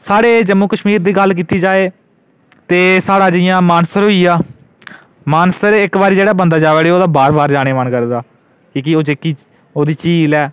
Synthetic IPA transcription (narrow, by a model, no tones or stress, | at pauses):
saːɽeːd͡ʒəmuːkəʃmiːɾd̪iːɡəlːk̬iːt̪iːd͡ʒaːeː | t̪eːsaːɽaːd͡ʒɪɪjãːmaːnsəɾɦoːiːaː | maːnsəɾɪkbaːɾiːd͡ʒeːɽaːbənd̪aːd͡ʒaːʋeːɽeːoːd̪aːbaːɾbaːɾd͡ʒaːɽ̃eːmənkəɾd̪aː | kiːkɪoːd͡ʒekiː | oːd̪iːt͡ʃiːlɛː